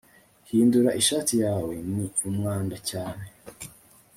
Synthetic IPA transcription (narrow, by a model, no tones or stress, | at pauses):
hiːnduɾaʔiʃaːtijaːwe̞miumŋaːndacaːne̞